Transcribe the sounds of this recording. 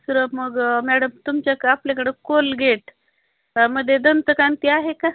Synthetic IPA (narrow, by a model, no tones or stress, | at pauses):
səɾəməɡmæɽəmt̪umt͡ɕjakaapljakəɽekolɡʱeʈ | məd̪ʱːjed̪ənt̪əkant̪iaɦeka